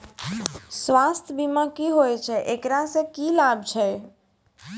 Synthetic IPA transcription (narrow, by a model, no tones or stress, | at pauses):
sʋast̪ʰəbimãkiɦojt͡ʃʰɛʔekɾasə̃kilab̚t͡ʃʰɛ